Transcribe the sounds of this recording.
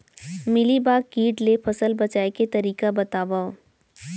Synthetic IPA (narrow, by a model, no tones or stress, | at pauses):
mɪlibaːɡkiːʈlepʰɐsəlbɐt͡ʃaːeket̪ɐɾiːkabɐt̪aːʋao